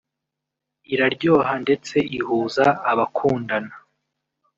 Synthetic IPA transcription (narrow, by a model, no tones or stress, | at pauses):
iɾaɾɟo̞ːɦande̞t͡se̞ihuːzaːβakʰuːndana